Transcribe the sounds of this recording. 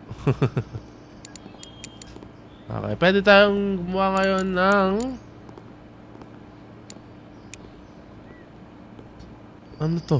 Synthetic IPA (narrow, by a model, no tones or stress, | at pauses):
ʔo̰kɛ̰jpwɛːd̪ɪt̪aːjoŋɡʊmʊwaŋɐjo̞nːɐŋ | ʔɐnot̪o